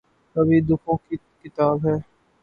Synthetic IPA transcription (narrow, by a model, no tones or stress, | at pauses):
kɐbʱid̪ʊkʰõːki | kɪt̪aːbɦɛː